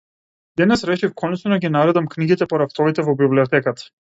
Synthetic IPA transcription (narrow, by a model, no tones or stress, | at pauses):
d̪ɛnɛsɾɛʃifkʰɔnɛt͡ʃnɔɡʲinaɾɛd̪amkniɡit̪ɛpɔɾaft̪ɔvit̪ɛvɔbibliɔt̪ɛkat̪ḁ